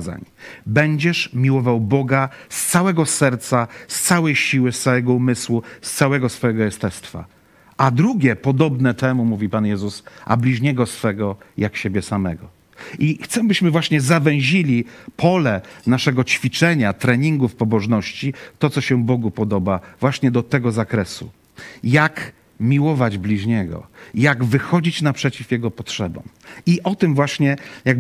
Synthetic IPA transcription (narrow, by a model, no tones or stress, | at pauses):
za̰ɲbɛɲd͡ʑɛʂmʲiwɔvawbɔɡast̪sawɛɡɔsɛɾt̪sast̪sawɛjɕiwɘst̪sawɛɡɔumɘswust̪sawɛɡɔsfɔjɛɡɔjɛst̪ɛst̪fa̰ | ʔad̪ɾuɡʲjɛpɔd̪ɔbnɛt̪ɛmumuvʲipanjɛzusa̰blʲiʐɲɛɡɔsfɛɡɔjakɕebʲjɛsamɛɡɔ | ixt̪sɛbɘɕmɘvwaɕɲɛzavɛ̃w̃ʑilʲipʰɔlɛnaʂɛɡɔt͡ɕfʲit͡ʂɛɲat̪ɾɛɲiŋɡufpɔbɔʐnɔɕt͡ɕit̪ɔt̪ɔɕɛbɔɡupɔd̪ɔbavwaɕɲɛd̪ɔt̪ɛɡɔzakɾɛsṵ | jak | mʲiwɔvad͡ʑblʲiʐɲɛɡɔ̰jaɡvɘxɔd͡ʑit͡ɕnapʂɛt͡ɕifjɛɡɔpɔtʂɛbɔ̰̃m | iʔɔt̪ɘmvwaɕɲɛjaɡ̚